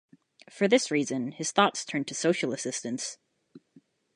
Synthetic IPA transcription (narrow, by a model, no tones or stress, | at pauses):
fə˞ðɪsɹizɨ̃nɨz̥θɔtstʰɜ̃˞ntʰɨsoʊʃl̩ˠəsɪstɨ̃ns